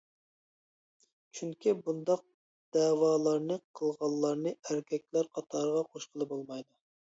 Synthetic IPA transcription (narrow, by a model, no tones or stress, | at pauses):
t͡ʃʰyŋkʲʰibund̪ɑq̚ | d̪̥ɛːwɑːlˠɑɾnɨqʰəlˠʁɑllˠlːɑɾnɨæɾkʲʰɛk̚ʲlæɾqʰɑt̪ʰɑɾəʁɑqʰoʃqʰəlˠɨbolˠmɑjd̪u